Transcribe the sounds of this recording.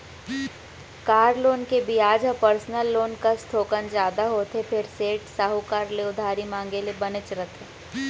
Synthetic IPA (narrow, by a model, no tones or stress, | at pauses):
kaːɾloːnkebʱiaːd͡ʒɐpəɾsnəlːoːnkast̪ʰoːkənd͡ʒaːd̪aɦoːt̪epʰɪɾseːʈsaːɦukaːɾleʊd̪ʱaːɾimãːŋ̆ɡelebɐnɪt͡ʃɾət̪ʰeː